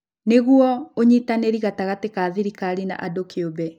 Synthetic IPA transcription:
neɣwɔoɲitaneɾiɣataɣatekaːðiɾikaɾina̰ʔadokeobɛ

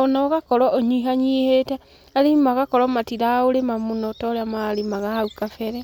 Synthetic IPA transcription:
ɔnɔɣakɔɾɔɔɲiɦaɲiehetɛ | aɾimaɣakɔɾɔmatiɾaoɾemamonɔtɔɾeamaɾimaɣahaukafɛɾɛ

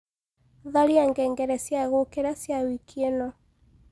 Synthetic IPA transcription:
ðaɾiaŋɡɛŋɡɛɾɛsjaɣokeɾasjawikʰienɔ

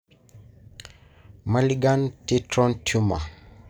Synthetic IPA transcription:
maliɡantitɾɔntʰuma̰

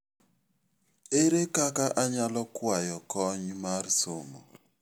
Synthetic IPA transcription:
eɾekakaʔaɲalɔkwajɔkɔɲmarsomo̰

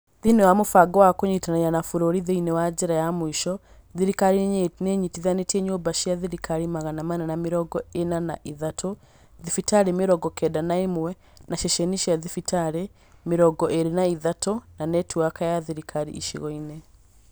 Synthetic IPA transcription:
ðinewamofaɡɔwakoɲitanaɲanafuɾoɾiðeinewad͡ʒeɾajamwiʃɔ | ðiɾikaɾineɲitiðanetiɛɲoːbaʃiaðiɾikaɾimaɣanamananamiɾɔɡɔenana̰ʔiðatʰo | ðifitaɾemeɾɔɡɔkɛdanaemwɛ | naʃɛʃɛniʃiaðifitaɾe | meɾɔɡɔʔeɾenaiðatonanɛtuakajaðiɾikʰaɾḭḭʃḭɣɔine

